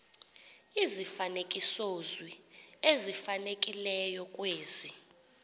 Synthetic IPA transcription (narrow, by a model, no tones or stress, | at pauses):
izifanekʼisozwi | ezifanekʼilɛjɔkʼweːzi